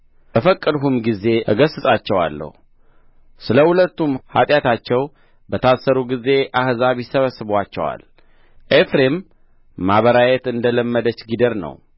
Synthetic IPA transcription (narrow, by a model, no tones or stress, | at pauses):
bəfəkʼːəd̪ɦumɡize̞əɡəsɨsʼat͡ʃːɛwa̰lːə̰hu | sɨləhulət̪ːumha̰t̪ʼjat̪ʰat͡ʃːɛw | bət̪ʰasːəɾuɡize̞ʔahzaβjɪsəβəsɨβwat͡ʃːɛ̰wa̰l | ʔefɾemː | aβəɾajɛt̪ɨnd̪ələmːəd̪ət͡ʃːɡid̪əɾnə̰w